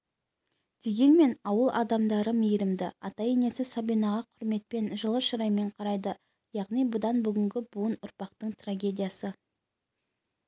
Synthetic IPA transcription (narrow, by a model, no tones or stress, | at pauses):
d̪̥e̞ɡʲe̞nme̞nɑwəlˠʔɑ̰d̪ɑmd̪ɑɾəmejɾɪmd̪ɪɑt̪ɑjene̞sɪsabijnɑʁɑqʰʊɾme̞t̪̚pe̞nʒəlˠəʃəɾɑjme̞ɴqʰɑɾɑjd̪ə | jɑʁnijbʊd̪ɑnbʏɡʲɪŋɡʲɪbuənʊɾpɑqt̪əɴt̪raɡʲe̞d̪ijasə